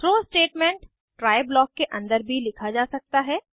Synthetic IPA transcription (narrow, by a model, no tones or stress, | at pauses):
ɾoːsʈeːʈmẽɳʈː | ɾaːɪblɔːkːeʔɐ̃nd̪əɾbʱilɪkʰad͡ʒaːsɐk̚t̪aɦɛː